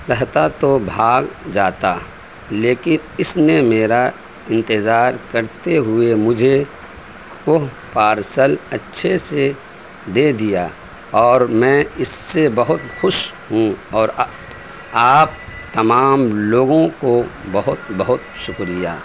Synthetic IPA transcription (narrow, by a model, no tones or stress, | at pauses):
ɾɛɦt̪at̪obʱaːɡd͡ʒaːt̪a | leːkɪn | ɪsnemeːɾa | ɪ̃nt̪ɪzaːɾkɐɾt̪eɦʊemʊd͡ʒʱe | kʊɦ | paːɾsəlɐtːʃʰese | d̪eːd̪ija | ɔːɾmɛ̃ːɪsːebɐɦʊt̪xʊʃɦũɔːɾ | aːp̚t̪ɐmaːmloːɡõkobɐɦʊt̪bəɦʊt̪ʃʊkɾɪja̰ː